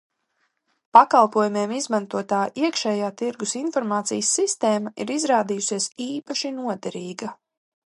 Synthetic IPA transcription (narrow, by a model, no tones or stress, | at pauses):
pakalˠpuɔjumeɛmizmant̪uɔt̪aːʔiɛkʃɛːjaːt̪iɾɡusinfɔɾmaːt̪sḭjəsːist̪eːmaḭɾizɾaːd̪ijusiɛsiːpaʃinuɔd̪ɛɾiːɡɐ